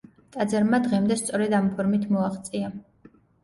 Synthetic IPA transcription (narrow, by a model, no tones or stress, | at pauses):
t̪ʼad̪zɛɾmad̪ʁɛmd̪ɛst̪sʼɔɾɛd̪ampʰɔɾmit̪ʰmɔaχt̪sʼia